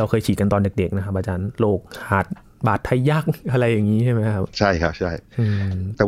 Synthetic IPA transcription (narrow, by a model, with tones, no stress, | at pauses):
a˧wkʰɤː˧jt͡ɕʰiː˨˩ka˧nt̪ɔː˧nde˨˩k̚de˨˩k̚na˦kʰpʔaː˧t͡ɕaː˧nloː˧˩k̚haː˨˩t̪̚ | baː˨˩t̪ʰːa˧˥˩jːaː˦˥˩k̚ʔa˧ɾa˧jːaː˨˩ŋːiː˦˥t͡ɕʰa˥˩jma˦˥jjkʰa˦˥p̚t͡ɕʰa˥˩jkʰa˦˥p̚t͡ɕʰa˥˩jʔɯː˧˩t̪ɛː˨˩